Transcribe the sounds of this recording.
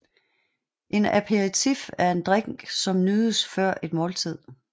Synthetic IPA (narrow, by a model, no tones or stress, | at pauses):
ʔe̝næpʰeʁit͡sʰifæɐe̝nd̥ʁeŋ̥sɒ̽mnyðˠəsfɶɐ̰ʔe̝d̥mɔ̽ːlt͡sʰið̞̰ˠ